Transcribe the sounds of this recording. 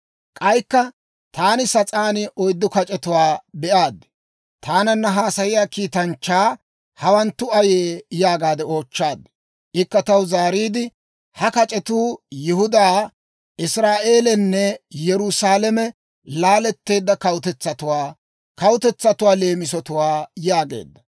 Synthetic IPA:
kʼɐjkːɐ | t̪aːnɪsɐt͡sʼaːnɪʔɔjd̪ːɔkɐt͡ʃʼɛt̪ʊwaːbɛʔaːd̪ | t̪ʰaːnɐnːɐɦaːsɐjɪjaːkiːt̪ɐnt͡ʃːaː | hɐwɐnt̪ːʊɐjeːjaːɡaːd̪ɛo̞ːt͡ʃːaːd̪ | ʔɪkːɐt̪ɐwzaːɾiːd̪ɪ | hɐkɐt͡ʃʼɛt̪uːjɪhʊd̪aː | ʔɪsɾaːʔe̞ːlɛnːɛjɛɾʊsaːlɛmɛ | laːlɛt̪ːe̞ːd̪ːɐkɐwʊt̪ɛt͡sːɐt̪ʊwaː | kɐwʊt̪ɛt͡sːɐt̪ʊwaːle̞ːmɪsɔt̪ʊwaːjaːɡḛːd̪ːɐ

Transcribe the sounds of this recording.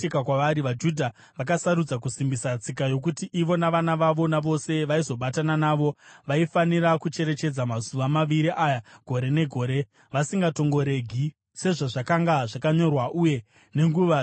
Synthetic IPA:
ikakwaʋaɾiʋad͡ʒudʱa | ʋakasaɾud͡zak̬usimbisat͡sikajo̞kutiʔiʋo̞naʋanaʋaʋo̞naʋo̞se̞ʋaizo̞ɓatananaːʋo̞ʋaifanirakut͡ʃe̞ɾe̞t͡ʃe̞d͡zamazuʋamaʋiɾiʔajaɡ̥ʱo̞ɾe̞ne̞ɡʱo̞ːɾe̞ | ʋasiŋɡato̞ŋɡo̞ɾe̞ɡʱi | se̞ʐaʐakaŋɡaʐakaɲo̞rwaʔuje̞ | ne̞ŋɡuʋa

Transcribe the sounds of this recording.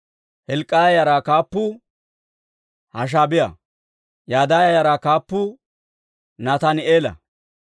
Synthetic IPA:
hɛlkʼːɐɐjɐɾakaːpːʊ | hɐʃ̬abɪjɐ̰ | jaːd̪aːjɐjɐɾakaːpːʊ | nɐt̪ɐnɪeːlɐ̰

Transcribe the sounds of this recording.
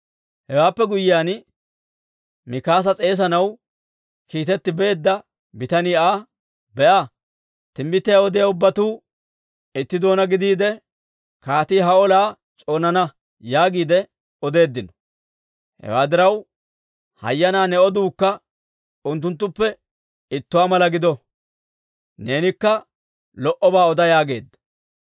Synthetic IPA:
hɛwaːpːɛɡʊjɪjaːn | mɪkaːs̬ɐt͡sʼe̞ːs̬ɐnɐw | kiːt̪ɛt̪ːɪbe̞ːd̪ːɐ | bɪt̪ɐnɪaː | bɛʔa | t̪ɪmbɪt̪ːɪjaɔd̪ɪjaʊbːɐt̪uː | ɪt̪ːɪd̪o̞ːnɐɡɪd̪iːd̪ɛ | kaːt̪iːɦɐɔlaː | t͡ʃʼo̞ːnɐnɐ | jaːɡiːd̪ɛ | ɔd̪e̞ːd̪ːɪnɔ̥ | hɛ̰waːd̪ɪɾɐw | hɐ̰jːɐnaːnɛɔd̪uːkːɐ | ʊnt̪ːʊnt̪̬ːʊpːɛ | ɪt̪ːʊwaːmɐlɐɡɪd̪ɔ | ne̞ːnɪkːɐ | lɔʔɔbaːɔd̪ɐjaːɡe̞ːd̪ːɐ̥

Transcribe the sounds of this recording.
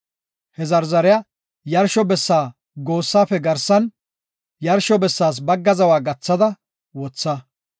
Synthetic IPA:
hɛzɐɾzɐɾɪjɐ | jɐɾʃɔbɛsːaː | ɡo̞ːsːaːfɛɡɐɾsːɐn | jɐɾʃɔbɛsːaːs̬bɐɡːɐzɐwaːɡɐt͡sːɐd̪ɐ | wɔt͡sːɐ

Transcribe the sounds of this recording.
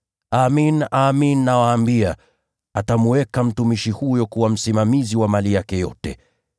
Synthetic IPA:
aminaːminːawaːmbia | atamuwɛkam̩tumiʃihujɔkuwam̩simamiziwamalijakɛjɔ̰tɛ

